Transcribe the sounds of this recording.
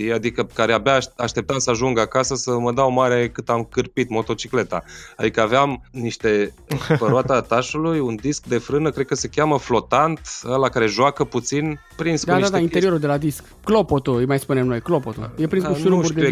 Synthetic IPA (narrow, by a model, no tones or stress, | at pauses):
iad̪ikəkaɾeabeaaʃt̪e̞p̚t̪amsəaʒuŋɡakasəsəməd̪aomaɾe̞kɨt̪amkɨrpit̪mo̞t̪o̞t͡ʃikle̞t̪a̰ad̪ikəaveamniʃt̪e̞ | pəɾoat̪at̪aʃulujund̪isk̚d̪e̞fɾɨnəkɾed̪̚kəse̞kʲjaməflo̞t̪ant̪əlakaɾe̞ʒoakəput̪sinpɾinskd̪ad̪at̪aine̞ɾio̞ɾuld̪e̞lad̪isk | klo̞pot̪uɨjmajspune̞mnojklopot̪ṵjepɾinskusuouud̪e